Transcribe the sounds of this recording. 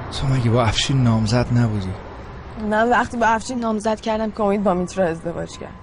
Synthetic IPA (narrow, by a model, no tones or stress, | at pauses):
sʰomæɟʲebɒæfʃinːɒːmzæd̪næbud̪i | mænvæχt̪iːbɒæfʃinːɒːmzæd̪̥cʰæɾd̪æmkʲʰeomiːd̪̚bɒːmit̪ʰɾɒe̞zd̪e̞vɒ̰ːd͡ʒcʰæ̰ɾd̪̥